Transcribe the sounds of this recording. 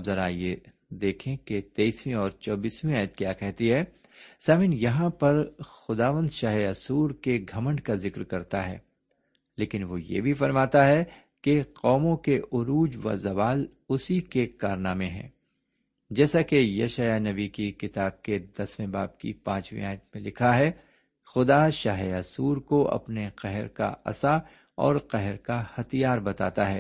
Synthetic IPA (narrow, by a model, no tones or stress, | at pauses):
bzɐɾaːie | d̪eːkʰẽket̪eːiswĩɔːɾt͡ʃɔːbiːswĩaːjət̪̚kjaːkɛɦt̪iɦɛː | saːʋɪnjɐɦãpɐɾxʊd̪aːʋə̃nd̪ʃaːɦeɐsuːɾkeɡʱɐmə̃ɳɖkazɪkɾkɐɾt̪aɦɛ̰ː | leːkɪnʋojḛbʱifɐɾmaːt̪aɦɛ | keqɔːmõkeʔʊɾuːd͡ʒʋɐ̰zɐʋaːl | ʊsikekaːɾnamẽɦɛ̰̃ː | d͡ʒɛːsakejɐ̰ʃaːjanɐbikikɪt̪aːb̚ked̪ɐsmẽbaːb̚kḭpãːt͡ʃmḭaːjət̪mẽlɪkʰaɦɛ | xʊd̪aʃaːɦjaːsuːɾkoʔɐ̰pneqɛɦɾka̰ɐ̰sa | ɔ̰ːɾqɛɦɾkahɐt̪ijaːɾbɐt̪a̰ːt̪aɦɛ̰ː